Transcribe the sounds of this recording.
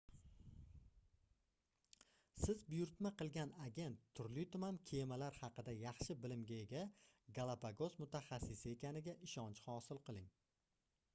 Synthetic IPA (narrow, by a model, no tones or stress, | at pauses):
sɪzbʊjʊɾt̪maqɨlˠɡʲanaɡʲe̞nt̪ʰːʊɾlijt̪ʊmamkʲʰemalaɾhɑqɨd̪ajɑχʃɪbɪlɪmɡʲae̞ɡʲaɡalˠapʰaɡo̞zmʊt̪ʰaχasːɪsɪe̞kʲʰanɪɡʲaʔɪʃɒnt͡ʃhɒsɪlˠqɨlˠɪŋ